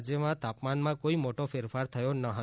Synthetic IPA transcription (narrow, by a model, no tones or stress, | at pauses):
d͡ʒjəmãt̪apmanmãkoimoʈofeɾfaɾt̪ʰəjonəɦə